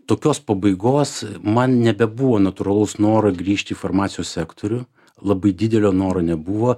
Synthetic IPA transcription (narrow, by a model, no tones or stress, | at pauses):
t̪oːkʲoːspɐbɐɪɡoːsmɐnnʲɛbʲɛbuːʋoːnɐt̪ʊɾɐlˠɐʊsnoːɾɐɡɾʲiːʃʲt̪ʲiːfɐrmɑːt̪sʲjoːssʲæːkt̪ʰoːɾʲʊ | lˠɐbɐɪd̪ʲɪd̪ʲɛlʲoːnoːɾoːnʲɛbuʋoː